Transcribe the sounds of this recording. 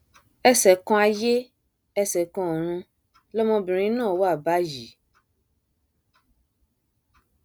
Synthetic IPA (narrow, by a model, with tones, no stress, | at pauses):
ɛ˦sɛ˨kɔ̃˦a˨je˦ | ɛ˦sɛ˨kɔ̃˦˨ɾ̃ũ˦ | lɔ˦mɔ̃˧bi˨ɾ̃ĩ˦nɔ̃˦˨wo˦a˦˨ba˦d͡ʒi˨